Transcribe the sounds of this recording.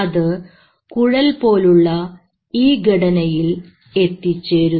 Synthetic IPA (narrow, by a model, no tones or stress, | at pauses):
ɐðɨ | kuɻɐlpo̞ːluɭːɐ | iːɡʱɐɽɐnɐjil | e̞t̪ːit͡ɕːeːɾu